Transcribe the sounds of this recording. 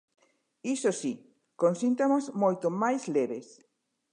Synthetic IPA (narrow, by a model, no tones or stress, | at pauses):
isosi | konsint̪omazmojt̪omajsleβes